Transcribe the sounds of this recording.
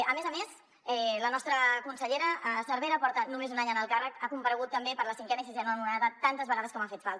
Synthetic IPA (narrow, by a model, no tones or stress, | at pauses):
əmezəmes | ɛlənɔst̪ɾəkunsəʎeɾəʔəsəɾβeɾəpɔɾt̪ənumezunaɲənəlˠkarəkakumpəɾəɣ̞ut̪ːəmbepəɾləsiŋkɛnəisizɛnuənunaðət̪ant̪əzβəɣað̞əskɔmafet̪falˠt̪